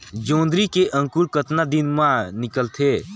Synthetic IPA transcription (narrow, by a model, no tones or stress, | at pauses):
d͡ʒõːnd̪ɾikeʔə̃ŋkuɾkət̪nad̪ɪnmãnɪkəlt̪ʰeː